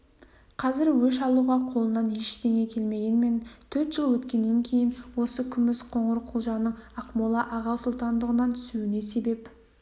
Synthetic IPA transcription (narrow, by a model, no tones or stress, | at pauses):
qʰɑzɪɾwɵʃɑlˠuʁɑqʰolˠənɑnjeʃt̪ʰeŋe̞kʲʰe̞lme̞ɡʲe̞nme̞nt̪ʰɵɾt̪ʒ̥əlˠwɵt̪kʲe̞nːe̞ŋkʲʰe̞jɪnwo̞səkʲʰʏmɪsqʰo̞ɴəɾqʰʊlˠʒɑnəɴɑqmolˠɑʔɑʁɑwsʊlˠt̪ɑnd̪əʁənɑnt̪ʰʏ̥suwɪne̞se̞be̞p